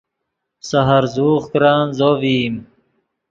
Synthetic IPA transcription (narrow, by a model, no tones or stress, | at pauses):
sɐɦɐɾzuːχkɾaːnzoviːm